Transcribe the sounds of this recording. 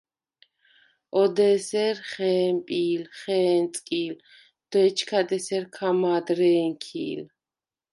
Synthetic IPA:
ɔd̪ɛsɛɾχɛːmpʼiːlχɛːnt̪sʼkʼiːl | d̪̥ɛt͡ʃʰkʰad̪ɛsɛɾkʰamaːd̪ɾɛːŋkʰḭːl

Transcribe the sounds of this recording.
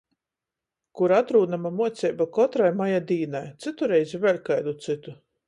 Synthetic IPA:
kuɾat̪ɾuːd̪amamuɔt̪sʲɛjbakɔt̪ɾajmajad̪iːnajt̪sɨt̪uɾɛjzʲivʲɛlʲkajd̪ut̪sɨt̪u

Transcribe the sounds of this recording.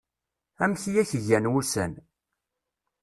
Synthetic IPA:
æmçijæçəʝænwusæn

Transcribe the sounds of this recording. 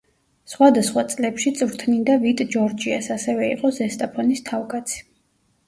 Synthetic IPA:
sχwad̪asχwat̪sʼlɛpʃit̪sʼvɾt̪ʰnind̪avit̪ʼd͡ʒɔɾd͡ʒiasasɛvɛḭqʼɔzɛst̪ʼapʰɔnist̪ʰavkʼat̪sʰi̥

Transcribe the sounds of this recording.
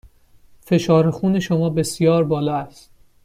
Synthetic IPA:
fe̞ʃɒːɾexuːne̞ʃomɒːbe̞sjɒːɾbɒːlɒːæst̪

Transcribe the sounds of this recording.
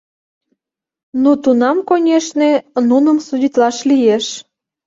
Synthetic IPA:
nut̪unɑmkonʲeʃnenunəmsudʲit̪lɑʃlijeʃ

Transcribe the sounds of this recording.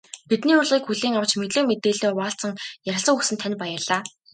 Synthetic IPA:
pit̪niːʊrɮʁiːkxuɮiːŋaw̥t͡ɕmet̪ɮɘ̆met̪eːɮoːwaːɬt͡sə̆ŋjaɾʲɪ̆ɬsə̆kuksɘ̆nt̪ʰænʲpajə̆ɮaː

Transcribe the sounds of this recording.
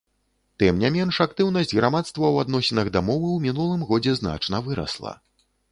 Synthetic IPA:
t̪ɨmnʲamʲɛnʂakt̪ɨwnɐsʲd͡zʲɣɾamat̪st̪vɐwad̪nɔsʲinɐɣd̪amɔvɨwmʲinulˠɨmɣɔd͡zʲɛzna̰t͡ʂnɐvɨɾɐ̰slˠɐ̰

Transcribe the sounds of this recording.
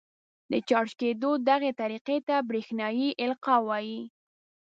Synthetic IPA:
d̪ət͡ʃɑɽʃked̪od̪aɣet̪aɾiqet̪abɾexnɑjiʔɪlqɑwɑji

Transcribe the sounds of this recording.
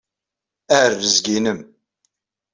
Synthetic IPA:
ærːəzɡinəm

